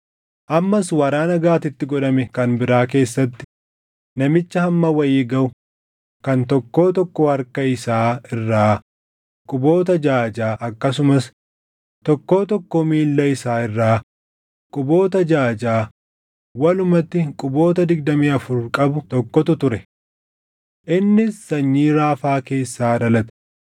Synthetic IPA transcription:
ʔɐmːɐswɐɾaːnɐɡaːt̪ɪt̪ːɪɡɔᶑɐmɛkɐnbɪɾaːk̬e̞ːsːɐt̪ːɪ̥ | nɐmɪt͡ʃːɐhɐmːɐwɐjiːɡɐʊ | kɐnt̪ɔkːo̞ːt̪ɔkːɔhɐɾkɐɪsaːɪrːaː | kʼʊbo̞ːt̪ɐd͡ʒaːd͡ʒaːʔɐkːɐsʊmɐs | t̪ɔkːo̞ːt̪ɔkːɔmiːlːɐɪsaːɪrːaː | kʼʊbo̞ːt̪ɐd͡ʒaːd͡ʒaː | wɐlʊmɐt̪ːɪkʼʊbo̞ːt̪ɐd̪ɪɡd̪ɐmiːɐfʊɾkʼɐbʊt̪ɔkːɔt̪ʊt̪ʊɾɛ | ʔɪnːɪsːɐɲːiːɾaːfaːke̞ːsːaːᶑɐlɐt̪ɛ̥

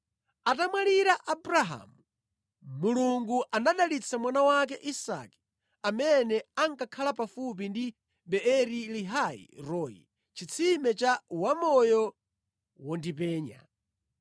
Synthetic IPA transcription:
atamwaliɾaʔabɾaɦa̰mu | muluŋɡuʔanaɗalit͡sʰamwanawak̬ɛʔisa̰ki̥ | amɛnɛaŋkakʰalapafup̬indi | ɓɛɛɾiliɦaḭɾɔjḭ | t͡ʃʰit͡sʰimɛt͡ʃawamɔjɔ | wɔndipɛːɲa̰

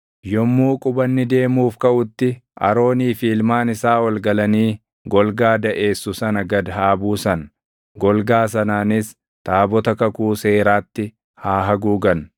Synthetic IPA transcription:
jɔmːuːkʼʊbɐnːɪd̪e̞ːmuːfkɐʔʊt̪ːɪʔɐ̰ɾo̞ːniːfiːlmaːnɪsaːwɐlɡɐlɐniː | ɡɔlɡaːd̪ɐʔe̞ːsːʊsɐnɐɡɐd̪ɦaːbuːsɐn | ɡɔlɡaːs̬ɐnaːnɪs | t̪aːbɔt̪ɐkɐkuːse̞ːɾaːt̪ːɪ | haːɦɐɡuːɡɐn

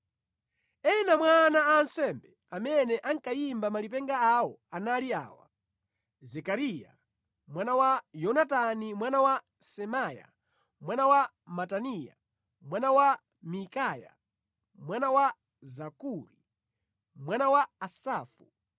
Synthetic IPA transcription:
ɛnamwanaːnsɛmbɛ | amɛnɛʔaŋkajimbamalipɛŋɡaawɔanalia̰ːwa̰ | zɛkaɾija̰ | mwanawajɔnatanimwanawa | sɛmaːja̰ | mwanawa | matanija̰ | mwanawa | mikaːja̰ | mwanawa | zakuɾi | mwanawaːsaːfu

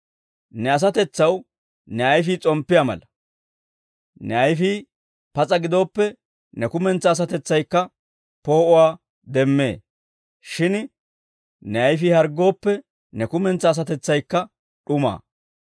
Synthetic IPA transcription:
nɛɐs̬ɐt̪ɛt͡sːɐw | nɛɐjfiːt͡sʼɔmpːɪjamɐ̰lɐ | nɛɐjfiː | pɐt͡sʼɐɡɪd̪o̞ːpːɛ | nɛkʊmɛnt͡sːɐːs̬ɐt̪ɛt͡sːɐjkːɐ | po̞ːʔʊwaː | d̪ɛmːe̞̰ː | ʃɪn | nɛɐjfihɐɾɡːo̞ːpːɛ | nɛkʊmɛnt͡sːɐːs̬ɐt̪ɛt͡sːɐjkːɐ | ɗʊma̰ː

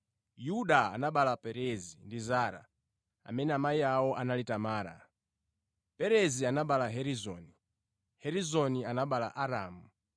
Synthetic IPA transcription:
juɗaa̰naɓalapɛɾɛzindizaɾa̰ | a̰mɛnɛamaiawɔʔanalitamaːɾa̰ | pɛɾɛzianaɓalaɦɛɾizɔ̰ni | hɛɾizɔnianaɓalaʔaɾaːmu

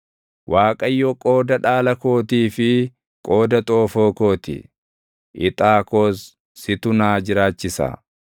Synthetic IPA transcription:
wʔaːkʼɐjːɔkʼo̞ːd̪ɐᶑaːlɐko̞ːt̪̬iːfɪ | kʼoːd̪ɐt̪ʼoːfoːko̞ːt̪ɪ̰ | ʔɪt̪ʼaːkoːsː | ɪt̪ʊnaːd͡ʒɪɾaːt͡ʃːɪsɐa̰

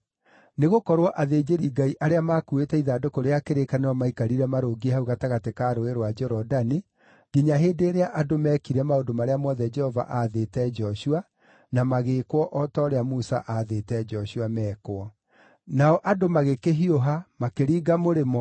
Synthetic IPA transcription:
neɣokɔɾwɔʔaðeːd͡ʒeɾiɡaiʔaɾeamaːkuetɛiðaːdokoɾeakeɾekaneɔmaikaɾiɾɛmaɾoːɡiehauɣataɣatekaːɾoeɾwad͡ʒɛɾɔdani | ɡiɲaɦeːdeːɾeaʔadomɛːkiɾɛmaodomaɾeamwɔðɛd͡ʒɛhɔva̰ʔaðetɛd͡ʒɔʃua | namaɣeːkwɔʔɔtɔːɾeamusa̰ʔaðetɛd͡ʒɔɕuamɛːkoɔ | naɔʔadomaɣekeɦioɦamakeɾiːɡamoɾemɔ

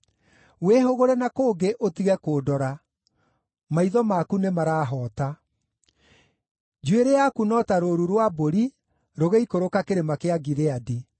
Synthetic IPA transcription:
weɦoɣoɾɛnakoːɡeʔotiɣɛkoːdɔɾa | maiðɔmaːkunemaɾaːɦɔːta | d͡ʒueɾejakunɔtaɾoɾuɾwaboɾi | ɾoɣeikoɾokakeɾemakeaɡiɾeadi

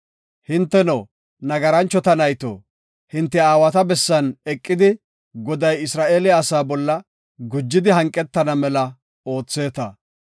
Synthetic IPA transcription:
hɪnt̪ːɛno | nɐɡɐɾɐnt͡ʃːɔt̪ɐnɐjt̪o̰ː | hɪnt̪ːɛaːwɐt̪ɐbɛsːɐnɛkʼːɪd̪ɪ | ɡɔd̪ɐjɪsɾaːʔeːlɪaːsaːbɔlːɐ | ɡʊd͡ʒːɪd̪ɪɦɐŋkʼːɛt̪ːɐnɐmɛlɐ | o̞ːt͡sːe̞ːt̪ɐ

